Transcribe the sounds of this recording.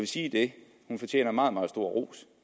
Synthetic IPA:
ʋe̝siːd̥e̝ | hunfɒ̽t͡ɕʰjḛːnɐmɑ̈ːð̞̩ˠmɑ̈ːð̩ˠsd̥o̝ɐ̰ʁo̰ːs

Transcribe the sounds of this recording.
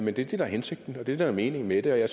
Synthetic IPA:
mend̥e̝æd̥e̝d̥ɑæhense̝ɡ̥̚d̥n̩ɒ̽d̥e̝d̥ed̥ɑɐme̝ːne̝ŋmed̥e̝ɒjɑ̈ɪ

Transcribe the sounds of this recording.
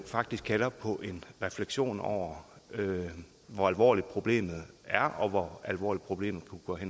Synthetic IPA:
fɑ̈ɡ̥̚d̥isɡ̥̚kʰælɐpʰɒ̽ʔe̝nʁɛfleɡ̥ɕo̝̰ːnɒ̰ʊ̰ɐø | ʋɒælʋɒ̰ːlid̥̚pʰʁo̝b̥le̝̰ːmð̩ˠæɐɒ̽ʋɒælʋɒ̰ːlid̥̚pʰʁo̝b̥le̝̰ːmð̩ˠpʰuɡ̥ɒ̰ɦen

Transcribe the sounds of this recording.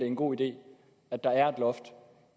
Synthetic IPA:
e̝enɡ̥o̝̰ːid̥e̝̰ː | æd̥ːɑ̈æɐed̥lɒ̽fd̥

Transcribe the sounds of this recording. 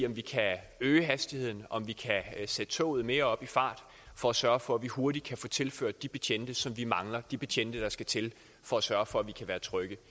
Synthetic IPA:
ɒ̽mʋikʰæ | øːɦæsd̥ihe̝ð̰ˠn̩ɒ̽mʋikʰæsed̥ət͡sʰo̰ʊð̩ˠme̝ːɐɒ̽b̥ifɑ̈ːd̥ | fɒ̽æsɶɐfɒ̽æʋiho̝ɐɾid̥kʰæfoːt͡sʰe̝lføɐ̰d̥ːib̥e̝t͡ɕʰen̰d̥əsɒ̽mʋimɑ̈ŋlɐd̥ib̥e̝t͡ɕʰen̰d̥əd̥ɑ̈sɡ̥æt͡sʰe̝l | fɒ̽æsɶɐfɒ̽æʋikʰæʋæːɐt͡sʰʁœɡ̥ə

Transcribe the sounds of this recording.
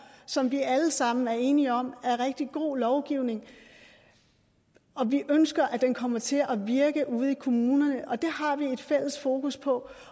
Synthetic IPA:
sɒ̽mʋiæləsɑ̈m̰n̩æɐe̝ːniɒ̽m̰æɐʁɛɡ̥̚d̥iɡ̥o̝̰ːlɒʊɡ̥iʊ̰ne̝ŋ | ɒ̽ʋiʔønsɡ̥ɐʔæd̥enkʰɒ̽m̰ɐt͡sʰe̝lʔæʋiɐɡ̥əʔuð̞̩ˠikʰo̝muːnɐnəʔɒ̽d̥e̝hɑ̈ʋie̝d̥fel̰əsfo̝ːkʰuspʰɒ̽

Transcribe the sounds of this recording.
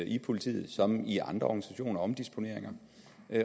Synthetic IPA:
ʔipʰo̝lit͡sʰḭːð̞̩ˠsɒ̽miʔɑ̈nd̥ʁɐɒɡ̥nisæɕo̝̰ːnɐɒ̽md̥isb̥o̝ne̝ɐeŋɐ

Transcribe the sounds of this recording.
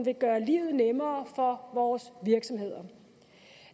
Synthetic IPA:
nʋe̝ɡ̥ɶːɐlḭːʊð̩ˠnemɐːfɒ̽ʋɒːsʋiɐɡ̥sɒ̽mhe̝ð̞̰ˠɐ

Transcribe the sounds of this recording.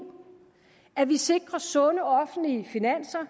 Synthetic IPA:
æʋise̝ɡ̥ʁɐsɔ̽nəɒ̽fn̩liəfinæn̰sɐ

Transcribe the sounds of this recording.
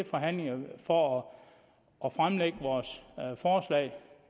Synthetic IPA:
efɒɦæn̰leŋɐfɒɒ | ʔːfʁamleɡ̥əʋɒːsfɒːslɛ̰ɪ

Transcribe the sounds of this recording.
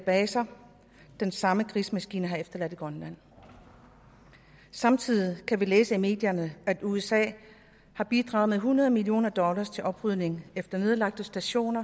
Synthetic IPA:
b̥ɛːsɐ | d̥ensɑ̈məkʰʁismæsɡ̥ḭːnəɦɑ̈efd̥ɐlæd̥iɡ̥ʁɒnlæn̰ | sɑ̈mt͡sʰið̰ˠikʰæʋileːsəime̝̰ːd̥jɐnəæd̥uesɛ̰ː | hɑ̈b̥id̥ʁɑ̰̈ːðˠmeɦunɐð̞ˠmilio̝̰ːnɐd̥ɒ̽lɐst͡sʰe̝ʔɒ̽b̥ʁyð̞ˠne̝ŋefd̥ɐne̝ð̞ˠlɑ̈ɡ̥̚d̥əsd̥æɕo̝̰ːnɐ

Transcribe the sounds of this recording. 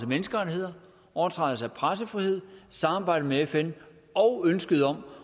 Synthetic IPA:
sæmenəsɡ̥əʁɑie̝ð̰ˠɐ | ɒʊɐt͡sʰʁɑ̈ð̩ˠsæpʰʁas̬əfʁihe̝ð̞̰ˠsɑ̈mɑ̈ːb̥ɑ̈ɪ̰ɾ̥ð̩meefen | ɒ̽ʊønsɡ̥əð̞̩ˠɒ̽m

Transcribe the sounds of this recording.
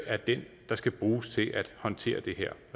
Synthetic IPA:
æɐd̥en | d̥ɑ̈sɡ̥æb̥ʁuːst͡sʰe̝lʔæd̥hɒ̽nt͡sʰe̝̰ːɐd̥e̝ɦɛɐ̰

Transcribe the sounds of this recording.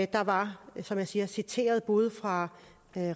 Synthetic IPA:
d̥ɑ̈ʋɑ̈sɒ̽mjaɪsiːɐsit͡sʰe̝̰ːɐð̞̩ˠb̥uð̞ˠfʁɑ̈

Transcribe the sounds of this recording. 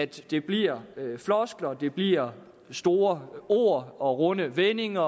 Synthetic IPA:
æd̥ːe̝b̥liɐflɒsɡ̥lɐd̥e̝b̥liɐ̰ | sd̥o̝ːɐo̝̰ːɐ̰ɒ̽ʁɔ̽nəʋene̝ŋɐ

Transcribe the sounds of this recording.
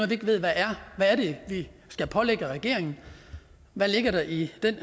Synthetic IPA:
ʋieɡ̥ʋe̝ð̞̰ˠʋæʔæɐʋæːɐɾe̝ʋisɡ̥æpʰɒ̽leɡ̥əʁɛɡ̥e̝ɐ̰e̝ŋn̩ | ʋæle̝ɡ̥ɐɾ̥ɑ̈ʔid̥en̰

